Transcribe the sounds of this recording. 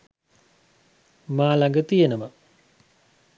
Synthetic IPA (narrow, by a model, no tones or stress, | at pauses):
maːlaŋɡət̪ijenəma